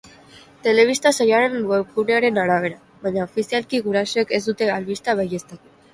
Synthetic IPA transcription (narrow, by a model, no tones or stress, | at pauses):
t̪e̞le̞β̞ist̪asajoaɾe̞nweuɾeaɾe̞naɾaβe̞ɾa | βaɲaofisialkiɣuɾaso̞eke̞zd̪ut̪e̞alβist̪aβ̞aje̞st̪at̪u̥